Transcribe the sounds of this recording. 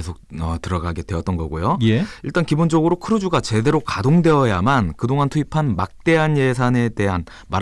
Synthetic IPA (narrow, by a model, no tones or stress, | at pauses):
esʰok̚ʌtɯɾʌɡaɡe̞dwe̞ʌt͈̚ʌnɡʌɡojojeiɭt͈ankibond͡ʑʌɡɯɾokʰɯɾɯd͡ʑuɡat͡ɕe̞de̞ɾokadoŋdwe̞ʌjamankɯdoŋantʰuipʰanmak̚t͈e̞ɦanje̞sʰane̞de̞ɦan | ma